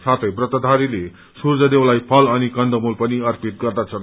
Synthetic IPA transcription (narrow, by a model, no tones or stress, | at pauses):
sat̪ʰʌjbrʌt̪ʌd̪ʱaɾile | surd͡zʌd̪ewlajpʰʌlʌnikʌnd̪əmulpʌniʌrpit̪̚ɡʌrd̪at͡sʰʌn